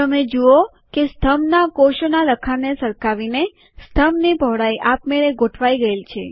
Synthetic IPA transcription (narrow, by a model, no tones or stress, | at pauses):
t̪əmed͡ʒuo | kest̪ʰəmnakoʃonaləkʰanesəɾkaʋine | st̪ʰəmnibʱəʋɽaiʔapmeɭeɡoʈʰʋaiɡəelt͡ʃʰḛ